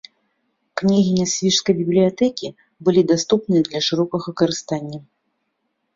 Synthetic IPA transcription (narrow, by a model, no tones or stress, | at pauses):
knʲiɣʲinʲasʲvʲiʂskɐjbʲiblʲijat̪ɛkʲi | bɨlʲid̪ast̪up̚nɨjɐd̪lʲɐʂɨɾɔkɐɣɐkɐɾɨst̪anʲːɐ